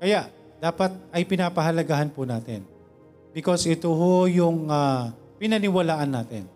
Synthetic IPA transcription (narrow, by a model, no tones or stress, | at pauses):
kɐjaʔ | d̪̥aːpɐt̪̚ɐjpɪnaːpɐɦɐlɐɡahɐnpʊnaːt̪ɪ̰n | bɪkosʔɪt̪oɦojʊŋa | pɪnɐnɪwɐlaːʔɐnːaːt̪ɪ̰n